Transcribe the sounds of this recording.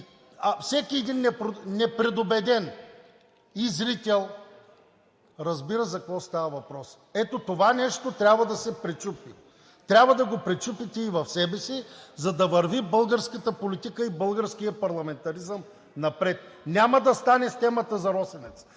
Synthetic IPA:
ɐfsɛkiɛd̪inːɛpɾnɛpɾɛd̪obɛd̪ɛn | izɾit̪ɛlˠ | ɾɐzbiɾəzɐkɐkvɔst̪avɐvɐpɾɔs | ɛt̪ot̪ovanɛʃt̪ot̪ɾʲabvɐd̪ɐsɛpɾɛt͡ʃupi | t̪ɾʲabvɐd̪ɐɡopɾɛt͡ʃupit̪ɛivɐfsɛbɛsizɐd̪ɐvɐɾvibɤlˠɡəɾskət̪əpolit̪ikəibɤlˠɡəɾsk̟ijəpɐɾlˠɐmɛnt̪ɐɾizəm | nɐpɾɛt̪̚nʲamɐd̪ɐst̪anɛst̪ɛmɐt̪əzɐɾɔsɛnɛt̪s

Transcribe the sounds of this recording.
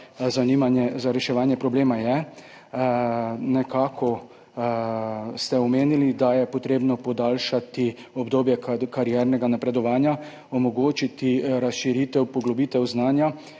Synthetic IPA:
zanimanɛzaɾɛʃɛʋaːnjɛpɾɔbleːmajɛ | nɛkaːkʰɔ | st̪ɛɔmeːnilid̪ajɛpɔt̪ɾeːbnɔpɔd̪aːlʃat̪i | ɔbd̪oːbjɛkkaɾjɛɾnɛɡanapɾɛd̪ɔʋaːnja | ɔmɔɡoːt͡ʃit̪iɾasʃiɾiːt̪ɛwpɔɡlɔbiːt̪ɛwznaːnja

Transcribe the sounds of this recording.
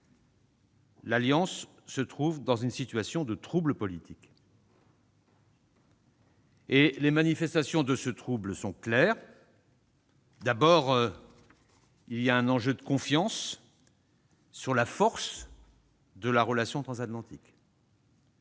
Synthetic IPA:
laljɑ̃sː | ət̪χuvd̪ɑ̃zynsit̪ɥasjɔ̃d̪ət̪χubləpɔlit̪ʰik | elemanifɛst̪asjɔ̃d̪əsət̪χubləsɔ̃klɛːʁ | d̪abɔːʁ | ilijaɛ̃nɑ̃ʒød̪əkɔ̃fjɑ̃s | yʁlafɔʁs | d̪əlaʁəlasjɔ̃t̪χɑ̃zat̪lɑ̃t̪ik

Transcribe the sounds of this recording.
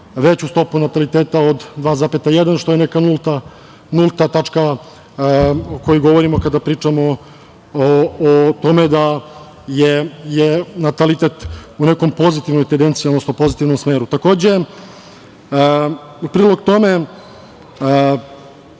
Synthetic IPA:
ʋe̞t͡ɕust̪o̞punat̪alit̪eːt̪aod̪d̪ʋaːzaːpet̪ajed̪anʃt̪o̞jenekanulˠt̪a | nulˠt̪at̪at͡ʂka | oko̞jiɡo̞ʋo̞ɾimo̞kad̪apɾiːt͡ʂamo | t̪o̞me̞d̪a | jejenat̪alit̪e̞t̪uneko̞mpo̞zit̪iʋnojt̪end̪ent̪siod̪nosnopo̞zit̪iʋnomsmeːɾut̪ako̞ːd͡ʑe̞ | upɾiːlˠo̞ɡt̪o̞me̞

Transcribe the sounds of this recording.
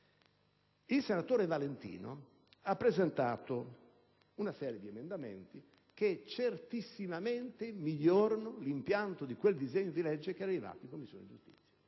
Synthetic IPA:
ilsenat̪oːɾevalent̪ḭːno̰ | apːɾɛzɛnt̪aːt̪o | unasɛːɾijed̪iɛmend̪amɛ̰nt̪i | ket͡ʃert̪isːimament̪emiʎːɔːɾanʊlimpjant̪od̪ikweld̪izeɲːod̪ilɛd͡ʒːek̟ɛariva̰ːt̪iŋkomːisːo̰ːndid͡ʒust̪i̥t̪sːja

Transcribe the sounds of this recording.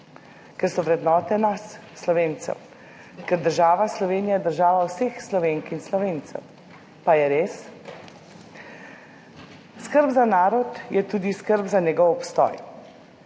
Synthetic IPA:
kɛɾsɔʋɾɛd̪nɔːt̪ɛnasː | lɔʋeːnt̪sɛ̰w | kɛɾd̪əɾʒaːʋaslɔʋeːnijad̪əɾʒaːʋawsexslɔʋeŋkinslɔʋeːnt̪sɛ̰w | pajɛɾeːs | skəɾbzanaːɾɔt̪jɛt̪uːd̪iskəɾbzaɲɛɡɔwɔpst̪ɔ̰j

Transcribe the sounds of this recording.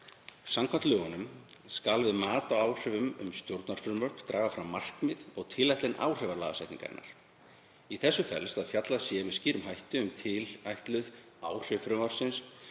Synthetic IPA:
samkʰvant̪lʏːɣanʏmskalvɪðmaːt̪awaːwr̥ʏvʏmʏ̰mst̪jowɾt̪naɾ̥fʏɾmœrkt̪ɾaːɣafɾamːar̥kmɪðɔɣt̪ʰɪlːajht̪ɪnʔa̰wr̥ɛvaɾlaːɣasajht̪niŋka̰ɾɪ̰nːa̰ɾ̥ | iθɛsːʏfɛ̰lst̪aðfjat̪laðsjɛvɪðsciːɾʏmɦajht̪ʏʏmt̪ʰɪlajht̪lʏð | aːwr̥ɪvfɾʏmaɾ̥sɪns

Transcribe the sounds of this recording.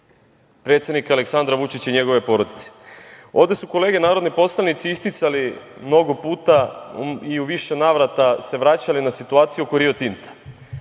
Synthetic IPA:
pɾe̞t̪sjed̪nikale̞ksand̪ɾaʋut͡ʃit͡ɕiɲe̞ɡo̞ʋe̞po̞ɾo̞d̪it̪se̥o̞vd̪e̞suko̞le̞ːɡe̞naːɾo̞d̪nipo̞slanit̪siist̪it̪salimno̞ɡo̞puːt̪a | iuʋiʃe̞naːʋɾat̪ase̞ʋɾat͡ɕalinasit̪uaːt̪sijukoɾio̞t̪int̪ʰḁ

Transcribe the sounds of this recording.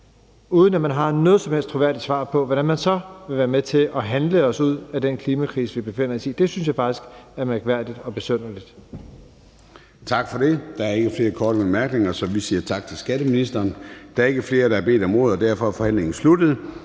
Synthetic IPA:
uːð̞ˠən̩æmænɦɑ̈nɔ̽ːð̞̩ˠsɒmhel̰sd̥t͡sʰʁoʋæɐ̰d̥id̥sʋɑ̰̈ːpʰɒ̽ʋɒɾ̥ænmænsɒ̽ʋe̝ʋæːɐmet͡sʰe̝ʔɒ̽ɦænləɒ̽suð̞̰ˠæd̥enkʰliːmækʰʁḭːsəʋib̥e̝fe̝n̰ɐsiːd̥e̝synsjɑ̈ɪfɑ̈ɡ̥isɡ̥æɐmæɐɡ̥ʋæɐ̰d̥id̥ɒ̽b̥e̝søn̰ɐlid̥ | t͡sʰɑ̈ɡ̥fɒ̽d̥e̝d̥ɑ̈æɐe̝ɡ̥əfle̝ːɐkʰɒːɾəb̥emæɐɡ̥ne̝ŋɐsɒ̽ʋisiːɐt͡sʰɑ̈ɡ̥̚t͡sʰe̝lsɡ̥æɾəminisd̥ɐːnd̥ɑæɐe̝ɡ̥əfle̝ːɐɾ̥ɑ̈æɐb̥e̝̰ːd̥ɒ̽mo̝ð̰ˠɒd̥æɐ̰fɒ̽æɐfɒ̽hæn̰le̝ŋn̩slud̥əð̩ˠ

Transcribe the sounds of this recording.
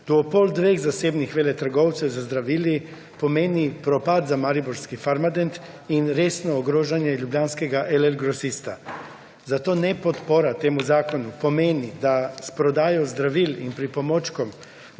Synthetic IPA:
d̪̥oopold̪ʋeːɣzaseːbnixʋeːlɛt̪ɾɡowt̪sɛzazd̪ɾaʋili | pomeːnipɾopad̪zamaɾibuɾskifaɾmad̪ent̪ | inɾeːsnoːɡɾoːʒanjɛʎubʎʲaːnskeɡaʔeleɾɡɾosist̪a | zat̪onɛpot̪poɾat̪eːmuzaːkonupomeːnid̪aspɾod̪aːjozd̪ɾaʋiːlinpɾipomot͡ʃkom

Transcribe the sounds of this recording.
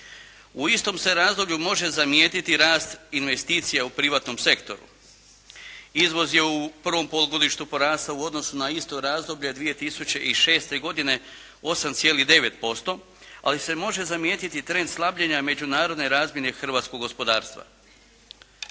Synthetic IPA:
uist̪o̞mse̞ɾaːzd̪o̞bʎʲumo̞ʒe̞zamjeːt̪it̪iɾaːst̪inʋe̞st̪iːt̪sijaupɾiʋaːt̪no̞mse̞kt̪o̞̰ɾṵ | izʋo̞zje̞upr̩ʋo̞mpo̞loɡo̞d̪iʃt̪upo̞ɾaːst̪auo̞d̪no̞sunaist̪o̞ɾaːzd̪o̞bʎed̪ʋije̞t̪isut͡ɕe̞ʔiʃe̞ːst̪e̞ɡo̞d̪ine̞ | o̞samt̪sijeːlid̪e̞ʋe̞t̪po̞st̪o̞ | a̰lise̞mo̞ʒe̞zamjeːt̪it̪it̪ɾe̞nd̪slˠabʎeɲame̞d͡ʑunaːɾo̞d̪ne̞ɾaːzmje̞ne̞xr̩ʋaːt̪skoɡo̞spo̞d̪aːɾst̪ʋa̰

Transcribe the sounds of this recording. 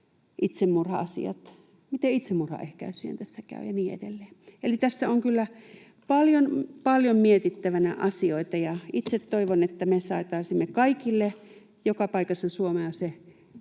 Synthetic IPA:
ʔit̪semːurhɑ̰ɑsḭɑ̰t̪ | mit̪eit̪semmurhɑ̰ʔehkæ̰ysiḛnt̪æsːækæ̰y̰jɑniːḛdelːeːelit̪æsːæoŋkylːæ | pɑljonpɑljommiet̪it̪ːæʋænæʔɑsioit̪ɑjɑit̪set̪toiʋonet̪ːæmesɑˑet̪ɑisimːekɑikilːe | jokɑpɑikɑsːɑsuomeɑse

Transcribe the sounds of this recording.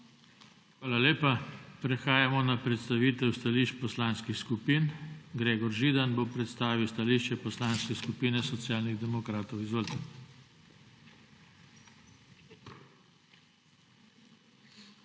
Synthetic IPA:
xʋaːlaleːpapɾɛxaːjamɔnapɾɛt̪st̪aʋiːt̪ɛwst̪aliːʃt͡ʃpɔslanskixskupiːnɡɾeːɡɔɾʒiːd̪anbopɾɛt̪st̪aːʋiwst̪aliːʃt͡ʃɛpɔslanskɛskupiːnɛsɔt̪sjaːlniɣd̪ɛmɔkɾaːt̪ɔwizʋəlt̪

